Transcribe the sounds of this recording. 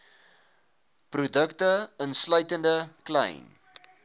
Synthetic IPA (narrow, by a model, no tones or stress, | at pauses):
prudəktəənslœɥtəndəklɛ̰jn